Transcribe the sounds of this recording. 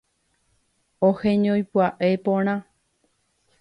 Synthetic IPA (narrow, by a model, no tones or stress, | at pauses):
ohẽɲõjpwaʔepõɾ̃ã